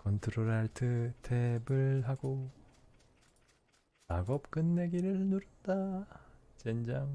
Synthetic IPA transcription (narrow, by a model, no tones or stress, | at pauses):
kʌntʰɯɾoɾaɭtʰɯtʰebɯɭɦaɡo | aɡʌp̚k͈ɯnːe̞ɡiɾɯɭnuɾɯnda | t͡ɕend͡ʑaŋ